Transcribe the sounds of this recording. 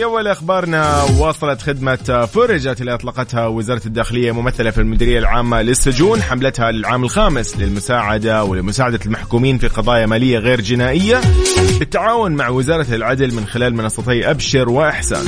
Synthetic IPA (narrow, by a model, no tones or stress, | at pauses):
ʔawːalʔaxbɑːɾˤnaːɑːsˤɑlɑt̪xɪd̪mafʊɾˤd͡ʒat̪ɪlːiʔɑt̪ˤlɑːqɑt̪hawɪzɑːɾˤɑt̪d̪ːaːxɪlɪjːamʊmaθːalafilmʊd̪iːɾɪjːalʕaːmːalɪsːʊd͡ʒuːnħamlat̪halɪlʕaːmɪlxaːmɪslɪlmʊsaːʕad̪awɪlmʊsaːʕad̪almaħkuːmiːnfiqɑðˤɑːjamaːlɪjːaɣeːɾd͡ʒɪnaːʔɪjːabɪt̪ːaʕaːwʊnmaʕwɪzɑːɾˤɑlʕad̪lmɪnxɪlaːlmɪnɑsˤːɑt̪ˤiːʔabʃɪɾwɪʔaħsa̰n